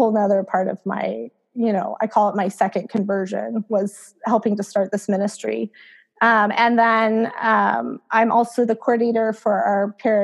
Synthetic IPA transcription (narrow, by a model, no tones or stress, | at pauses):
oʊlˠnʌðə˞pʰɑɹɾʌ̰vma̰ɪ | jɨnoʊʔa̰ɪkʰɔlˠət̚maɪsɛkɨ̃nkʰɨ̃ɱvɜ˞ʒɨ̰̃nwʌz̥ | hɛlˠpɪ̃ŋtʰɨstɑɹt̪̚ðɪsmɪ̃nɨstɹ̥ḭ | ʔʌ̃ɨ̃nðə̃nʌ̃mʔãɪ̃mʔɔ̰lˠsoʊðɨkʰɔɹdeɪɾə˞fə˞aʊə˞pʰɪɹɨ̃